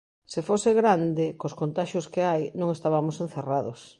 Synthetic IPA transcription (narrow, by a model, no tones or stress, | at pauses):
sefoseɣɾand̪ɪkoskont̪aʃoskeajnõŋest̪aβamʊsen̟θeraðos